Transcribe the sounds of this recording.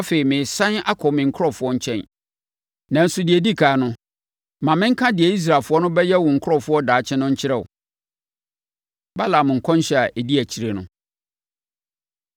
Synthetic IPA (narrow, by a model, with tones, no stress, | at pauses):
ɔ˦fe˨i˨mɪ̃˨sã˦na˦kʰɔ˨mɪ̃˨ŋ̩˨kʰɔ˦˨fʊ˦ɔ˦ɲ̩˦t͡ɕʰɛ̃˦n | nã˨n̩˦sʊ˦dɪ˨ɛ˨di˦kʰaː˨˦nʊ̃˦ | mã˨mɪ̃˦ŋ̩˦kʰã˦dɪ˨ɛ˨i˦s̬ɾa˨fʊ˦ɔ˦nʊ̃˦bɛ˦jɛ˦wʊ̃˨ŋ̩˨kʰʊ˦ɔ˦fʊ˦ɔ˦daː˨t͡ɕʰɛ̃˦nʊ̃˦ɲ̩˦t͡ɕʰɪ˦ɾɛ˨ʊ̰˨ | ba˦la˨m˨ŋ̩˨kʰɔ̃˦n˦ɕɛ˦˨a˨ʔe˨di˦æ˨t͡ɕʰi˨ɾe˨nʊ̰̃˦